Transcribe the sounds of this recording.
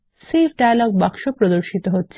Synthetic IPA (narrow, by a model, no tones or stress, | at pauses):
sifɖajalɔɡ̚bakʃopɾod̪oɾʃit̪oɦotːɕʰ